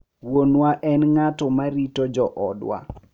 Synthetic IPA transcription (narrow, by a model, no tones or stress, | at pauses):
wonwaʔɛnŋatɔmaɾitod͡ʒɔʔɔdwa̰